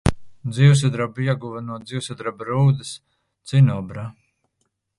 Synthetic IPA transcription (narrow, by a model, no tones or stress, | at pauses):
d̪ziws̬ad̪ɾabiɛɡuvanuɔd̪ziwsad̪ɾabɾuːd̪ɨs | t̪sinɔbɾa